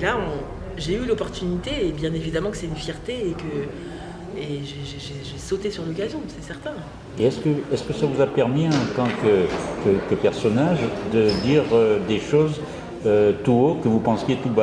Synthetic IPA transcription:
elaɔ̃ | ʒeylɔpɔʁt̪ynit̪eːbjɛ̃nevid̪amɑ̃kə̥sɛt̪ynfjɛʁt̪eːkə | eʒeʒeʒeʒesot̪esyʁlɔk̬azjɔ̃sɛsɛʁt̪ɛ̃ | eɛskəɛskəsavuzapɛʁmiɛ̃t̪ɑ̃kəkəkəpɛʁsɔnaʒd̪əd̪iʁød̪eʃoz | øt̪uokəvupɑ̃sjet̪uba

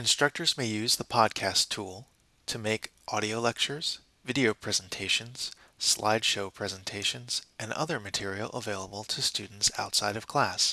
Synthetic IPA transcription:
ɨ̃nstɹ̥ʌk̚tʰə˞zmeɪjʉzðəpʰɑd̚kʰæstʰulˠ | tʰɨmeɪkʔɔɾioʊlɛk̚t͡ʃə˞z̥ | vɪɾioʊpʰɹ̥ɛzn̩tʰeɪʃɨ̃nz̥ | sla̰ɪd̥ʃoʊpʰɹ̥ɛzə̃ntʰeɪʃɨ̃nz̥ʔɨ̃nʌ̰ðə˞mɨtʰɪɹil̩ˠʔə̰veɪlˠəbl̩ˠtʰɨstʉdⁿn̩tsa̰ʊtsaɪɾʌv̥kʰl̥æs

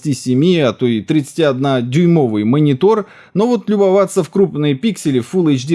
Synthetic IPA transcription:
tʲisʲɪmʲiɐt̪ojt̪ɾʲɪt̪sɨ̥tʲiɐd̪nadʲʊjmo̞vɨjmənʲɪt̪o̞r | novot̪lʲʊbɐvat̪sːəfkɾupnɨjəpʲiksʲɪlʲɪfulˠɛt͡ʃdʲi

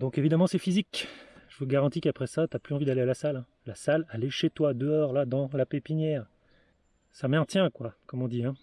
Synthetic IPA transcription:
d̪ɔ̃kevid̪amɑ̃sɛfizikʒəvəɡaʁɑ̃t̪ikapχɛsat̪yaplyɑ̃vid̪alealasalɛ̃ | lasalaleʃet̪wad̪əɔʁlad̪ɑ̃lapepinjɛːʁ | samɛ̃t̪jɛ̃kwakɔmɔ̃d̪iɛ̃

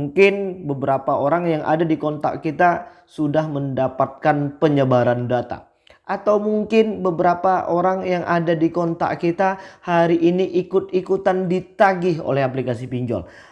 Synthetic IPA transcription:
ŋkɪnbəbəɾapaoɾaŋjaŋʔa̰dadikɔnt̪a̰kkit̪a | sudahməndapat̪̚kanpəɲəbaɾandat̪a̰ | ʔat̪awmuŋkɪnbəbəɾapaʔoɾaŋjaŋʔadadikɔnt̪a̰ʔkit̪ahaɾiʔiniʔikʊt̪̚ikut̪andit̪aɡɪɦo̰lɛhaplikasipiɲd͡ʒɔ̰l

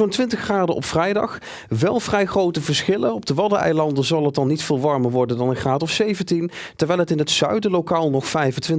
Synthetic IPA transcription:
ontʋɪntəχraːdəʔɔ̰pfrɛjdɑ̰χ | ʋɛlˠv̥rɛjχrowtəvəɹsχɪlənɔb̚dəʋɑdəʔɛ̰jlɑndəzɑlˠət̚ɑnːitfɪːlˠʋɑɹməɹʋɔɹdəndɑnənχraːdɔfsejvəntintəɹʋɛjlˠɦətɪnətsœ̰ɥdəlokaːlˠnɔχfɛjvəntʋɪn

